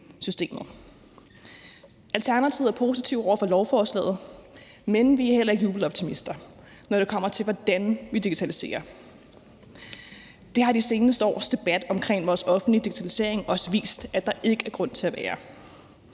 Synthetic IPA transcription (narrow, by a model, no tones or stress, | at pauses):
sysd̥e̝̰ːmð̞̩ˠ | ælt͡sʰæɐnæt͡sʰiʊ̰æɐpʰo̝ːsit͡sʰiʊɒʊ̰ɐfɒlɒʊfɒːslɛ̰ːð̞̩ˠ | menʋiæɐhel̰ɐe̝ɡ̥juːb̥l̩ɒ̽b̥t͡sʰimisd̥ɐ | nɒɾ̥e̝kʰɒ̽m̰ɐt͡sʰe̝lʋɒd̥ænʋid̥iɡ̥i̥t͡sʰælise̝̰ːɐ | d̥e̝ɦɑ̈dise̝ːnəsd̥əɒ̰ːsd̥e̝b̥æd̥ɒ̽mkʰʁeŋ̰ʋɒːsɒ̽fn̩lid̥iɡ̥i̥t͡sʰælise̝̰ɐ̰e̝ŋɒɒsʋḭːsd̥æd̥ɑ̈ʔe̝ɡ̥əæɐɡ̥ʁɔ̽n̰t͡sʰe̝æʋæːɐ